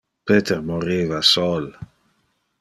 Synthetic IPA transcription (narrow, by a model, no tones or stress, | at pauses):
peːt̪eɾmoɾiːvasol